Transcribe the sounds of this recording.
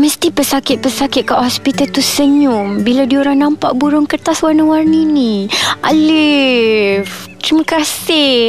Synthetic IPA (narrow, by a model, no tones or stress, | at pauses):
məst̪ipəsakɪt̪̚pəsakɪt̪̚kaʔhɔspit̪alt̪usəɲʊmbiladioɾaŋnampaʔbuɾʊŋkət̪aswarnəwarniniʔa̰lɪ | ft̪ɾiməkasɪh